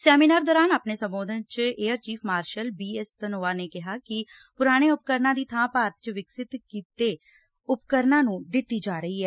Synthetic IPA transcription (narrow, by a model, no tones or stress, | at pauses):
sɛːmiːnaːɾd̪ɔːɾaːnaːpneːsə̃mboːd̪ənt͡ʃeːəɾt͡ʃiːpʰmaːɾʃəlbiːɛst̪ənoːaːneːkɪɦaːkɪ | pʊɾaːɽ̃eːʊp̚kəɾnãːd̪iːt̪ʰãːpaːɾət̪t͡ʃʋɪksɪt̪kiːt̪eː | ʊpkəɾnãːnũːd̪ɪt̪ːiːd͡ʒaːɾəiːɦɛː